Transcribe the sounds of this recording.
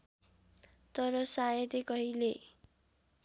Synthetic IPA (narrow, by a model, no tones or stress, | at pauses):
t̪ʌɾʌsajʌd̪ekʌɦile